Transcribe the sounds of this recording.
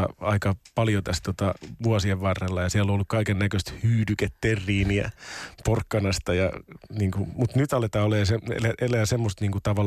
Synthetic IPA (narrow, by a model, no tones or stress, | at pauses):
ɑikɑpɑljot̪æst̪ot̪ɑʋuɑsieʋʋɑrːelːɑjɑsiælõolːukkɑikenːækøst̪hyːdyket̪t̪erːiːniæ̰porkːɑnɑst̪ɑjɑ̰niːŋkumut̪nyt̪ɑlet̪ɑːoleːseḛlæʔelæːsemːost̪niːŋkut̪ɑʋɑl